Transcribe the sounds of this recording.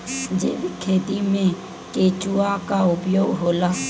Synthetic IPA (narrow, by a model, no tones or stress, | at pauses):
d͡ʒḛːʋikʰeːt̪imẽ | keːt͡ʃuakaʊpjoːɡɦoːlaː